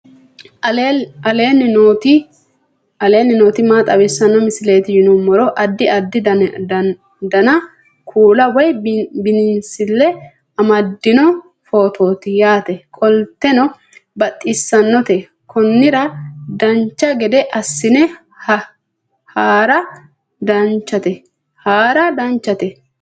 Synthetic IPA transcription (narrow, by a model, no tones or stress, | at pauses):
ɐleːnːot̪ɪ | ɐleːnːɪnoːt̪ɪmaːt̪ʼɐwɪsːɐnːɔmɪsɪle̞ːt̪ɪjɪnɔmːɔɾɔʔɐd̪ːɪɐd̪ːɪd̪ɐ | d̪ɐnɐ | kʰuːlɐwɔjbɪnɪnsɪlːɛ | ɐmɐd̪ːɪnɔ | foːt̪ʰo̞ːt̪ɪjaːt̪ɛkʼɔlt̪ːɛnɔ | bɐt̪ʼːɪsːɐnːɔt̪ɛ | kʰɔnːɪɾɐd̪ɐnt͡ʃːɐɡɛd̪ɛʔɐsːɪnɛ | haːɾɐ | d̪ɐnt͡ʃːɐt̪ɛ | haːɾɐd̪ɐnt͡ʃːɐt̪ɛ